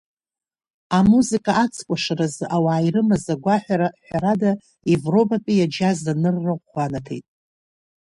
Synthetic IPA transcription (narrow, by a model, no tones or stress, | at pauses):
amuzikʼaat͡sʰkʷʼaʂaɾazʔawaːjrɨmazaɡʷaħʷᶣaɾaħʷaɾada | evro̞bʼapʲʼijad͡ʒazanɨrːɨanatʰejtʼ